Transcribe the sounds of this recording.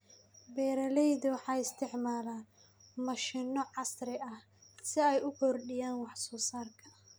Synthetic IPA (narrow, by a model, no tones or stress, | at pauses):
bɛːɾɐlɛjðʊwɑħɑːɪst̪ʰɪʕmaːlaː | mɐʃɪnːɔʕɑsɾɪʔɐh | sɪɛjʊkʰɔrɖɪjaːnwɑħsɔːsaːrkʰɐ